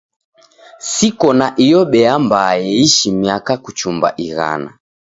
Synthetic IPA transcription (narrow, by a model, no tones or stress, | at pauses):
sikɔnaʔijɔɓɛambaːjɛiʃimiakakut͡ʃumba̰ʔiɣa̰na̰